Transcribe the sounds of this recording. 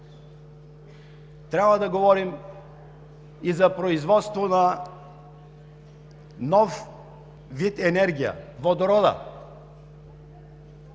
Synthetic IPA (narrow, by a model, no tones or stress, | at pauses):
t̪ɾʲabvɐd̪ɐɡovɔɾim | izɐpɾoizvɔt̪st̪vonɐ | nɔf | vit̪ɛnɛɾɡʲijə̰vod̪oɾɔd̪ə̰